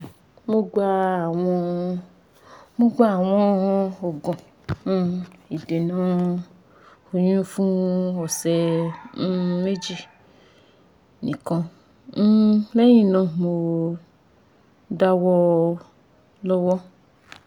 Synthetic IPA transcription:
mo˦ɡa˦a˨w̃ɔ̃˧ | mo˦ɡʷa˦a˨w̃ɔ̃˦o˨ɡɔ̃˨˦ | i˨de˨nã˨˦ | o˨ɲũ˦fũ˦ɔ˨sɛ˧˦ | me˦d͡ʒi˦ | nḭ̃˨kɔ̃˧˦ | lɛ˦jĩ˦˨nã˧mo˧ | da˦wɔ˧ | lɔ˦wɔ˦

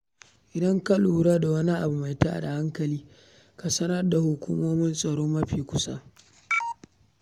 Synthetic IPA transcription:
ʔɪ˨dɐ˦ŋka˦luː˨ɾaː˦da˨wɐ˦ni˦ʔa̰˨bu˨ma˨jta̰ː˦˨da˨ha˦ŋkɐ˨liː˦ | ka˨sɐ˦nɐ˦rda˨hʊ˨kʷṵː˦moː˦mɪ˦nsʼɐ˨ɽoː˦mːɐ˦ɸiː˨kʷʊ˦sa̰˦ʔ

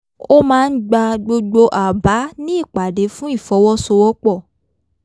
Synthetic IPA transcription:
o˦mãː˦˧n̩˦ɡ͡ba˧ɡ͡bo˧ɡ͡bo˧ʔa˨ba˨˦nĩ˦i˦˨k͡pa˨de˨˦fũ˦i˦˨fɔ˨˦wɔ˦so˧wɔ˦k͡pɔ˦˨

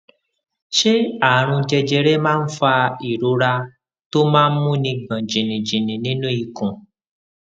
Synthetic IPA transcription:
ʃe˦a˦˨ɾ̃ũ˧d͡ʒɛ˧d͡ʒɛ˧ɾɛ˦mãː˦˧n̩˦fa˧i˨ɾo˨˦ɾa˧ | to˦mãː˦mũ˦nĩ˧ɡ͡bã˨d͡ʒĩ˨nĩ˨d͡ʒĩ˨nĩ˨nĩ˦nũ˦i˦˨kɔ̃˨

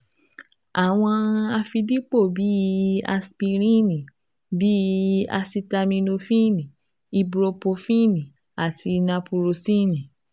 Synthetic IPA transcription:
a˨w̃ɔ̃˧a˧fi˧di˦k͡po˦˨bi˨˦˧a̰˧spi˧ɾ̃ĩ˦˨nĩ˨ | bi˦a̰˧si˧ta˧mĩ˧nũ˧fĩ˦˨nĩ˨ | i˧bɾo˧po˧fĩ˦˨nĩ˨ | a˨tʰi˧nã˧pu˧ɾo˧si˦˨nĩ˨

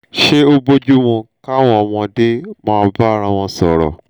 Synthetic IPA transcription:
ʃe˦o˦bo˦d͡ʒu˦w̃ɔ̃˧ka˦w̃ɔ̃˦˨w̃ɔ̃˧de˦mã˧a˧ba˦˨ɾ̃ã˧w̃ɔ̃˧sɔ˨ɾɔ̰˨

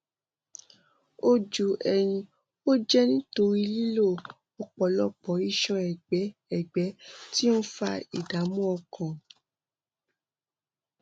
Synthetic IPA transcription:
o˧d͡ʒu˨ʔɛ˨j̃ĩ˧ | o˦d͡ʒɛ˦nĩ˦to˧ɾi˦li˦lo˦˨ | o˧k͡pɔ˨˦lɔ˦k͡pɔ̃˨˦i˦ʃã˧ɛ˨ɡ͡bɛ˨˦ɛ˨ɡ͡bɛ˨˦ti˦ũ˦fa̰˧ḭ˨da˨˦mũ˦ɔ˧kʰã˨

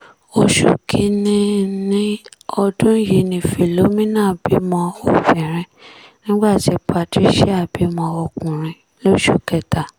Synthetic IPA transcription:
o˧ʃo̰˨kʰi˧nĩ˧nĩ˦ɔ˧dũ˦ji˧nĩ˨fi˨lo˨˦mĩ˦nã˦˨bi˨˦mɔ̃˧o˦˨fɛ˨ɾ̃ĩ˧nĩ˦ɡ͡ba˦˨ti˨˦pʰa˧˨ti˦ʃɛ˦a˦˨bi˨˦mɔ̃˧o˧kũ˨ɾ̃ĩ˧ | lo˦ʃu˦˨kɛ˧ta˨

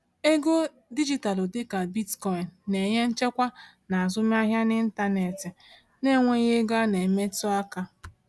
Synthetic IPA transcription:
e˦ɡo˦ | di˦d͡ʒi˦ta˨lo˨dɪ˦ka˨bi˦tkɔ˨i˨nːe˨ɲe˦n̩˦t͡ʃe˦kʷa˦ | na˨a˨zʊ˦m˦a˦ɦja˦nɪ˦n̩˦ta˦ne˨tɪ˨ | ne˦˨ŋʷe˦ɣe˦ɡa˦ne˨me˦tʊ˦a˦ka˦

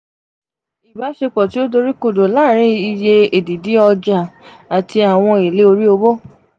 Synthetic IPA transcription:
i˨ba˨˦ʃe˧k͡pɔ˨ti˨˦o˦do˧ɾi˦ko˦˨do˨la˦ɾ̃ĩ˧˦i˦˧je˧e˨di˨di˨˦ɔ˧d͡ʒa˨ | a˨tʰi˧a˨w̃ɔ̃˧e˨le˨˦o˧ɾi˦o˧bo˦

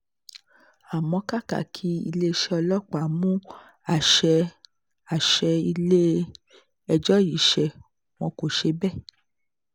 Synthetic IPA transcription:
a˨mɔ̃˧ka˦ka̰˨kʰi˨˦ḭ˧le˦˧ʃɛ˧ɔ˧lɔ˦˨k͡pa˨mũ˦ | a˨ʃɛ˧ | a˨ʃɛ˧i˧le˦ | ɛ˧d͡ʒɔ˦ji˨ʃɛ˧˨ | w̃ɔ̃˧ko˨ʃe˧bɛ˦˨

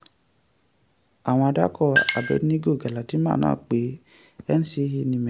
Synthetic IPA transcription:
a˨w̃ɔ̃˧a˧da˦kʰɔ˦˨a˨bɛ̰˨˦n˦ĩ˦ɡo˦˨ɡa˨la˨ti˨˦mã̰ː˦˨nã̰ː˦˨k͡pe˨˦ | ɛ˦ñ̩˦si˧˦hi˧nĩ˧mɛ̃˨

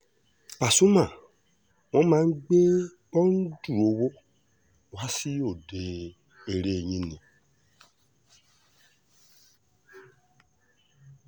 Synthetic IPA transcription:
pa˨su˦mã˨ | w̃ɔ̃˨˦mã˨˦ŋ̩˦ɡ͡be˦ | ɔ˦n̩˦du˦˨o˨wo˦ | wa˦si˦o˨de˨ | e˨ɾe˨ɲĩ˦nĩ˨

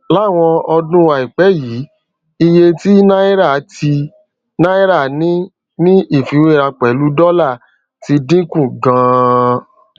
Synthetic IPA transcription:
la˦˨w̃ɔ̃˧ɔ˧dũ˦wa˧˨i˨k͡pɛ˨˦jiː˨˦ | i˧je˧ti˦nã˦i˦ɾa˦˨˦ti˧ | nã˦i˦ɾa˦˨˦nĩ˦ | nĩ˦ʔi˦˨fi˨˦we˦˨ɾa˧k͡pɛ˨˦lu˦dɔ˦la˦˨ | ti˧˦dĩ˦kũ˦˨ɡã˧

